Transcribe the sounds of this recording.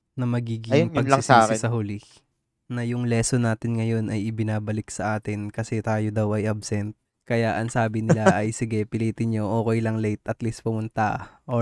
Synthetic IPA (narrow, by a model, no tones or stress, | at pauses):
nɐmɐɡiːɡɪjŋɐɡlɐɪsaɪsɐɦʊli | nɐjʊŋlɛːsonaːt̪ɪnŋɐjo̞nɐjɪbɪnaːbɐlɪksɐʔaːt̪ɪnkɐsɛt̪aːjod̪ɐwɐjʔabsɛnt̪̚ | kɐjaʔɐŋsaːbɪnɪlaʔɐjsɪɡɛpɪliːt̪ɪnɲo̞ʔoːko̞jlɐŋlɛjt̪ʔɐt̪list̪̚pʊmʊnt̪ɐ̰ʔo